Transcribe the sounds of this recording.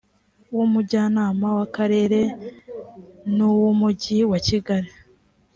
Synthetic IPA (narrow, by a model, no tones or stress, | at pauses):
wumuɟaːnaːmawakaɾe̞ːɾe̞ | nuwumuɟiwaciɡaɾi